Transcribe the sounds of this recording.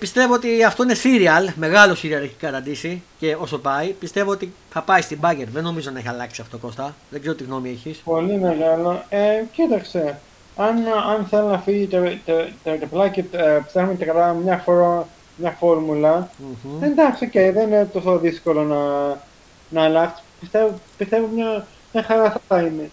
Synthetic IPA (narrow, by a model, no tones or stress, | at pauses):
pist̪e̞vo̞ot̪iɐft̪o̞ine̞siɾiɐlme̞ɣɐlosiɾiɐleçi̥kɐt̪ɐnd̪isice̞o̞so̞pɐipist̪e̞vo̞ot̪i | θɐpɐist̪ibɐʝeɾðeno̞mizonɐeçisɐlɐksiɐfot̪oko̞st̪ɐðeɡzeɾot̪iɣno̞mieçispolimeɣɐloecit̪ɐkse̞ | ɐnɐnθe̞lonɐfiʝit̪et̪et̪et̪eplɐcipi̥st̪exumet̪ekɾɐmɲɐfoɾo | mɲɐfo̞ɾmulɐend̪ɐkso̞cejðeinet̪o̞soðisko̞lo̞nɐ | nɐːlɐksi̥spist̪evopist̪e̞vomɲɐ | ɐxɐɾɐθɐt̪ɐine